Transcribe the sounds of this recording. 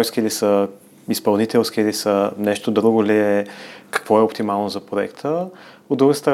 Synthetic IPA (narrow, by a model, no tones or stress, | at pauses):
jskʲiilisə | ispɐlˠnit̪ɛlˠskʲiilisənɛʃt̪od̪ɾuɡʊliɛkɐ̥kv̥ɔɛopt̪imalˠnozɐpɾoɛ̰kt̪ʰə | od̪d̪ːɾuɡəst̪əɾ